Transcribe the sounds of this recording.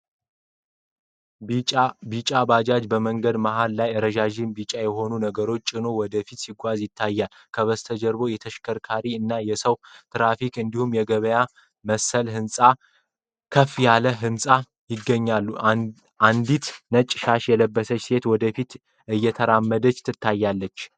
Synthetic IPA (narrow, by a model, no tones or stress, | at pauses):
bit͡ʃʼabad͡ʒad͡ʒbəməŋɡəd̪maɦallajɾəʒaʒɪnbit͡ʃʼajɛɦo̞nunəɡəɾo̞t͡ʃːt͡ʃʼɪno̞wɔd̪əfit̪siɡʷazjɪt̪ʰːajːal | kʰəβəst̪ʰəd͡ʒəɾbo̞jɛt̪ʰəʃkʰəɾkʰaɾiɨnːajɛsəwt̪ʰɨɾafikɨnd̪ihumjɛɡəβəja | məsəlɦɨnsʼa | kʰəfijaləɦɨmsʼa | jɪɡːəɲːalːu | ʔand̪it̪nət͡ʃʼːʃaʃjɛləbːəsət͡ʃːse̞t̪wɔd̪əfit̪ | ɨjːɛt̪ʰəɾamːəd̪ət͡ʃːt̪ʰɨt̪ʰːajːalːət͡ʃː